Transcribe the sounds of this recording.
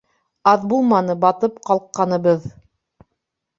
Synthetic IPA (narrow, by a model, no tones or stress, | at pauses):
ɑðbulˠmɑnɤbɑt̪ɤpqɑlˠqːɑnɤ̆βɤð